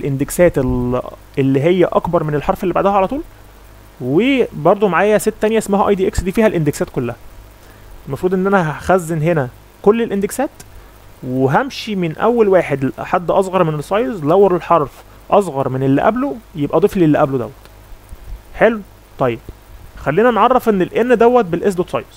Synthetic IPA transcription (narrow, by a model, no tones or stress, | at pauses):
elʔend̪eksæːt̪elʔelːiɦejːæʔɑkbɑɾˤmenelħɑɾˤfelːibaʕd̪æhæʕalæt̪uːl | webɑɾˤd̪ˤomaʕaːjæset̪ːænjæʔesmæɦæʔɑjd̪iʔeksd̪iːfiːhælʔend̪eksæːt̪kolːæhæ | elmɑfɾuːd̪ʔenːʔænæɦæxæzːenɦenæ | kolːelʔend̪eksæːt̪ | weɦæmʃimenʔæ̰wːælwaːħed̪ħad̪ːʔɑsˤɣɑɾˤmenesˤːɑjzlæwːɑɾelħɑɾˤf | ʔɑsˤɣɑɾˤmenelːæ̰ʔæ̰blojebʔæd̪ˤeflelːæʔæblod̪æ̰wːæt̪ | ħelu | t̪ˤɑjːeb̥̚ | xælːiːnænʕɑrˤːɑfʔenːelʔenːd̪æwːæt̪̚belʔes̬d̪ot̪sˤɑ̰jz̥